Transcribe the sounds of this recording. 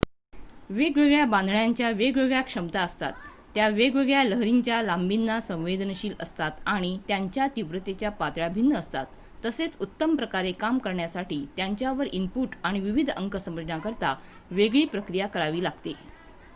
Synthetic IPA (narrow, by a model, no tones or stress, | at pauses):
ʋeɡʋeɡɭjabãnd̪ʱɳjaɲt͡ɕjaʋeɡʋeɡɭjakʂəmt̪aəst̪a̰t̪ː | jaʋeɡʋeɡɭjaləɦɾiɲt͡ɕjalambʱinːasə̃w̃ʋed̪ʱnəɕiːləst̪at̪aɽ̃it̪jaɲt͡ɕjat̪iʋɾət̪et͡ɕjapat̪ɭjabʱinːəəst̪a̰t̪ː | əset͡sut̪ːəmpɾəkaɾekamkəɾɳjasaʈiːt̪jaɲt͡ɕjaʋəɾimpuʈaɽ̃iʋiʋid̪ʱəŋkəsəməd͡ʑnakəɾt̪a | ʋeɡɭiːpɾəkɾijakəɾaʋiːlaɡt̪e